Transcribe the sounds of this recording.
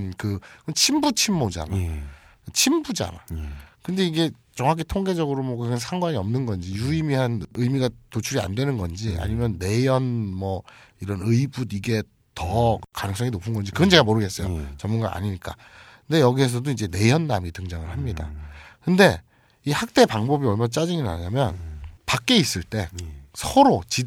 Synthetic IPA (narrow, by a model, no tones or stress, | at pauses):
nkɯknt͡ɕʰimbut͡ɕʰimːod͡ʑa̰na | t͡ɕʰimbud͡ʑa̰na̰kɯnde̞iɡe̞ | t͡ɕʌŋɦakʰitʰoŋɡe̞d͡ʑʌɡɯɾomwʌkɯkʰansʰaŋɡwaɲiʌmnɯnɡʌnd͡ʑijuimiɦanɯjmiɡatot͡ɕʰuɾia̰ndwe̞nɯnɡʌnd͡ʑia̰ɲimjʌnːe̞jʌnmʌiɾʌnɯibudiɡe̞ | tʌkanɯŋs͈ʌŋinopʰɯnɡʌnd͡ʑikɯɡʌnd͡ʑe̞ɡamoɾɯɡe̞s͈ʌjot͡ɕʌmːunɡa̰a̰ɲiɲik͈a̰ | kɯnde̞jʌɡiɦe̞s̬ʰʌdoid͡ʑe̞ne̞jʌnːamitɯŋd͡ʑʌŋɯɭhamɲida̰kɯnde̞ | ihak̚t͈e̞paŋbʌbiʌɭmant͡ɕ͈ad͡ʑiŋina̰ɲamjʌnpak̚k͈e̞is͈ɯɭt͈e̞sʰʌɾot͡ɕi